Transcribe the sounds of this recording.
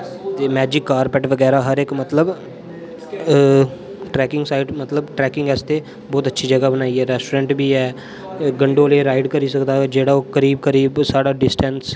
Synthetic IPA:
t̪eːmɛːd͡ʒɪkːaːɾpɛʈʋəɡɛːɾaːɦəɾɪkmət̪ləb | ʈɾɛːkɪ̃ŋɡsaːɪɖmət̪ləbʈɾɛːkɪ̃ŋɡɛːst̪eː | bɔːt̪ətːʃʰiːd͡ʒəɡabənaːiɛːɾɛːsʈoːɾɛ̃ːɳʈbʱiːɛː | ɡəɳɖoːleːɾaːɪɖkəɾiːsəkd̪aːd͡ʒeːɽaːoːkəɾiːbkəɾiːbsaːɽaːɖɪsʈɛ̃ns

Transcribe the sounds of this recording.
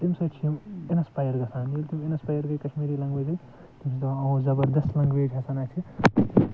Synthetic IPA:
t̪imsɐt͡ʃʰimenɐspajɐɾɡɐsaːnjult̪imenɐspajɐɾɡɐkɐʃmiːɾilɐŋɡʋed͡ʒɐl | t̪imsɐt̪ɐw̃zɐbɐɾd̪ɐslɐŋɡʋeːd͡ʒʲɦɐsaːnat͡ʃʰi

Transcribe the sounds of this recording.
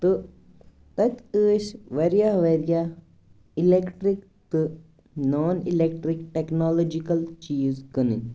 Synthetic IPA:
t̪ɨ | t̪ɐt̪ʲɨːʃʋɐɾjaʋɐɾja | ilekʈɾik | t̪ɨ | noːnilekʈɾikʈeknoːloːd͡ʒikɐlt͡ʃiːzkɐnɨɲ

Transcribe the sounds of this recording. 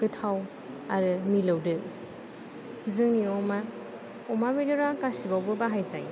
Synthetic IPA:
kɯtʰaw | aɾɯmilɯwdɯ | zɯŋniɔma | ɔmamidɔɾakasibawbɯbaɦajzaj

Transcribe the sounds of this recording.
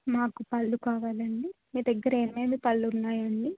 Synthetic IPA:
maːkupɐlːukaːʋaːlɐɳɖimiːd̪ɐɡːɐɾeːmeːmipɐɭːunːaːjɐɳɖi

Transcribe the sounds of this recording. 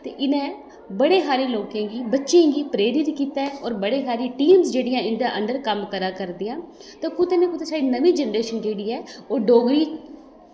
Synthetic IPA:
t̪eːʔɪnẽː | bəɽeːɦaːɾiːloːkẽːɡiːbətːʃẽːɡiːpɾeːɾɪt̪kiːt̪aːɔːɾbəɽeːɦaːɾiːʈiːmzd͡ʒeːɽɪjãːɪɳɖãːʔəɳɖəɾkəmkəɾaːkəɾd̪ɪjãː | t̪eːkʊt̪eːnẽːkʊt̪eːsaːɽiːnəʋiːd͡ʒənɾeːʃənd͡ʒeːɽiːɛːoːɖoːɡɾiː

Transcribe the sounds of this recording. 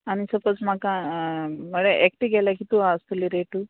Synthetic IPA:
añisəpət͡sm̤akã | məɭeʔek̚ʈiɡɛljakit̪uast̪uliɾeʈu

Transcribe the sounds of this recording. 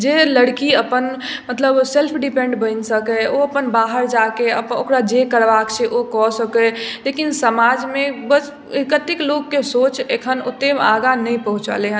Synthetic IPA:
d͡ʒeləɽkiəpən | mət̪ləbselpʰɖipẽɳɖbəɪnsəkɛoəpənbaɦəɾd͡ʒakeəpokɾad͡ʒekəɾbakt͡ʃʰɛʔokɔsəkɛlekinsəmad͡ʒmẽbəs | ekət̪ikloɡːesot͡ʃekʰənot̪ːemaɡanəjpəɦut͡ʃa̰leɦə

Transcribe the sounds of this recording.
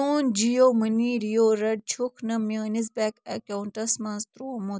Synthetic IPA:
uːnd͡ʒijoːməniːɾijoːɾɐɖ̚t͡ʃʰukʰnɐmjaːnizbɛkɐkauɳʈɐsmɐnst̪ɾoːmu

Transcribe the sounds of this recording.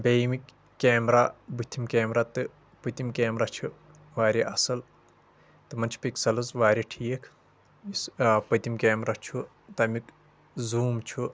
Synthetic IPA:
bʲejmikː | eːmɾabɨt̪ʰːimkeːmɾat̪ɨ | pɨt̪imkeːmɾat͡ʃʰu | ʋaːɾʲiʔɐsɐl | t̪ɨmɐnt͡ʃʰi̥piksɐlɐzʋaːɾʲiʈʰiːɐkʰ | ispɐt̪imkeːmɾat͡ʃʰu | t̪ɐmik | zuːmt͡ʃʰu

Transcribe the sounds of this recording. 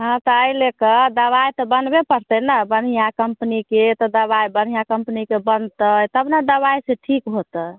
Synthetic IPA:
ɦãt̪ɔəilekəd̪əβajt̪ɔbənbepəɾt̪ənəbənijakəmpniket̪ɔd̪əbajbənɦijakəmpnikebənd̪t̪ət̪əbnad̪əβajseʈʰikɦot̪ə

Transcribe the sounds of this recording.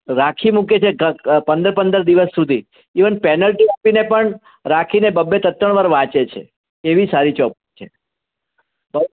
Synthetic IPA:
ɾakʰimũket͡ʃʰeɡəpə̃nd̪əɾpənd̪əɾd̪iʋəsːud̪ʱiː | ʋənpɛnəlʈiapinepəɳ | ɾakʰinebəbːet̪ət̪əɳ̃ʋəɾʋãt͡ʃet͡ʃʰḛ | eʋisaɾit͡ʃɔp̚ | t͡ʃʰe | bə

